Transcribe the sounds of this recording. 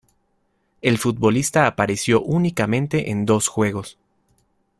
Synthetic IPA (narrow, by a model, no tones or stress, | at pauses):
e̞lfut̪̚βo̞list̪aːpaɾe̞sjo̞ʔunikamẽ̞nt̪e̞ʔend̪o̞sxwe̞ɣ̞o̞s